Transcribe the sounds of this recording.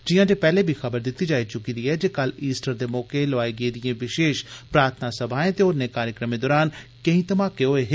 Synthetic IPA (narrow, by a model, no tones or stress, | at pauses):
d͡ʒɪjãːd͡ʒeːpɛːleːbʱixəbəɾd̪ɪt̪ːiːd͡ʒaːit͡ʃʊkiːd̪iɛːd͡ʒeːkəliːsʈəɾd̪eːmɔːkeləʋaːeɡeed̪ɪjẽːʋɪʃeːʃpɾaːɾt̪ʰnasəbʱaːẽːt̪eʊnːẽːkaːɾjəkɾəmẽːd̪oːɾaːnkɐĩːt̪əmaːkeɦoːeɦ